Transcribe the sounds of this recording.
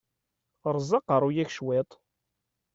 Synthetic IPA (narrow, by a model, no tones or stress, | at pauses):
ɾˤzˤəqəɾˤujæçʃwet̪ˤ